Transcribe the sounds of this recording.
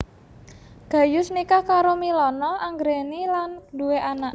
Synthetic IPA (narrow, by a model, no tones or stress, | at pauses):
ɡ̥a̤jʊsnikakaɾomilɔnɔʔaŋɡɾenilanduweʔanaʔ